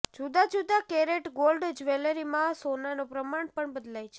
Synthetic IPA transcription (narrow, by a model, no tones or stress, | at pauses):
d͡ʒud̪ad͡ʒud̪akeɾeʈɡolɖd͡ʒʋeləɾimãsonanopɾəmaɳpəɳbəd̪lajt͡ʃʰe̥